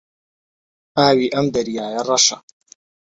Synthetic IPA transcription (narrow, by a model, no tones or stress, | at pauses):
aːwiːʔɐmd̪ɐɾjaːjɐrˤɐʃɐ